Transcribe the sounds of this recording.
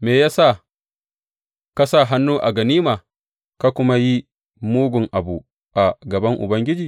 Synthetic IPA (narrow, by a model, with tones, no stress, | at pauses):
meː˨jaː˦sa˦˨ | ka˦sa˦˨ɦa˦nːuː˦ʔa̰˨ɡɐ˨niː˦maː˨ | ka˦kʷʊ˦ma˦ji˦ | muː˦ɡʷʊ˨ŋʔa˨bu˨ | ʔa˨ɡɐ˨bɐ˦ŋʔʊ̰˨bɐ˦ŋɡʲɪ˦d͡ʒiː˨